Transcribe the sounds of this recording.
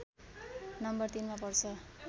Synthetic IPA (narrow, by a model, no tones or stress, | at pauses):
nʌmbʌrt̪inmapʌrt͡sʰʌ